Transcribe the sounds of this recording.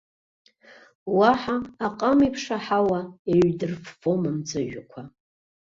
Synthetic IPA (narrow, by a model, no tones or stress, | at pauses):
waħaːqʼamipʰʂaħawaeɥdɨrffomɨmt͡sʼɨʒᶣakʷʰa